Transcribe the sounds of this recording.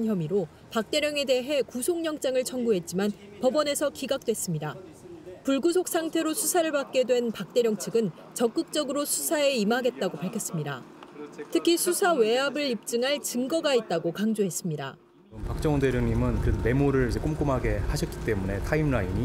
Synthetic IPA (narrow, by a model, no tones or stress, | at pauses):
nçjʌmiɾo | pak̚t͈e̞ɾjʌŋe̞de̞ɦe̞kusʰoŋɲʌŋt͡ɕ͈aŋɯɭt͡ɕʰʌŋɡuɦe̞t̚t͡ɕ͈iman | pʌbʌne̞sʰʌkiɡak̚t͈wes͈ɯmɲida | puɭɡusʰok̚s͈ʰaŋtʰe̞ɾosʰusʰaɾɯɭpak̚k͈e̞dwe̞npak̚t͈e̞ɾjʌŋt͡ɕʰɯɡɯn | t͡ɕʌk͈ɯk̚t͡ɕ͈ʌɡɯɾosʰusʰae̞imaɡe̞t̚t͈aɡopaɭkʰʌs͈ɯmɲida̰ | tʰɯkʰisʰusʰawe̞abɯɾip̚t͡ɕ͈ɯŋɦaɭt͡ɕɯŋɡʌɡait̚t͈aɡokaŋd͡ʑoɦe̞s͈ɯmɲida̰ | mpak̚t͡ɕ͈ʌŋondeɾjʌŋɲimɯnkɯɾme̞moɾɯɭid͡ʑe̞k͈omk͈omɦaɡe̞haɕʰʌt̚k͈i̥t͈e̞mune̞tʰaimnaiɲi